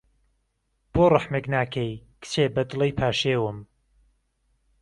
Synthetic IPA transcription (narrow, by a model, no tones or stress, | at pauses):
b̥oːrɨħmeknaːkʰejkɨ̥t͡ʃʰeːbɐd̪ɨlˠejpʰaːʃeːwɨm